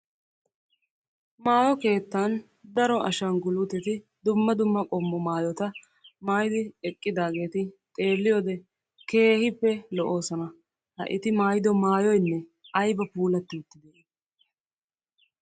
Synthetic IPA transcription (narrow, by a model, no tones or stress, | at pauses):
maːjɔke̞ːt̪ːaːn | d̪ɐɾɔʔɐʃɐnɡʊlʊt̪ɛt̪ɪ | d̪ʊmːɐd̪ʊmːɐkʼɔmːɔmaːjɔt̪ɐ | maːjɪd̪ɪɛkʼːɪd̪aːɡe̞ːt̪ɪt̪ʼe̞ːlːɪjɔːd̪ɛ | ke̞ːhɪpːɛlɔʔo̞ːsɐnɐ | hɐ̰ʔɪ̰t̪ɪmaːjd̪ɔmaːjɔjnːɛɐjbɐpuːlɐt̪ːɪʊt̪ːɪd̪eː